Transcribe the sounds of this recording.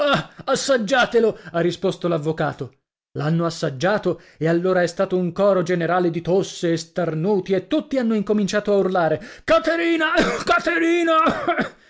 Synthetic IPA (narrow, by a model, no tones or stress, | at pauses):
aasːad͡ʒːaːt̪eloarːispost̪olavːoka̰ːt̪o | lanːoasːad͡ʒːaːt̪o | ealːoːɾaɛst̪aːt̪ouŋkɔːɾod͡ʒeneɾaːled̪it̪osːeːst̪arnuːt̪iet̪ːut̪ːianːoiŋkomint͡ʃaːt̪oaurlaːɾekat̪eɾiːnakat̪eɾiːna